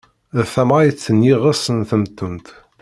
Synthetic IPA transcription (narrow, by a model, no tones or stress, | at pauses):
θæmʁajət͡sːənjiʁasənθəmt̪ːənt̪